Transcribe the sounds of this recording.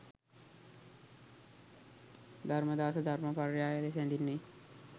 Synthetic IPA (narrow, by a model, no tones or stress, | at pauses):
d̪ʱarməd̪aːsəd̪ʱarməparjaːjəlesænd̪inːe